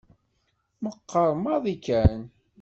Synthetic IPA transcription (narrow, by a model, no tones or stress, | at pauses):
məqːəɾˤmɑðˤikːæn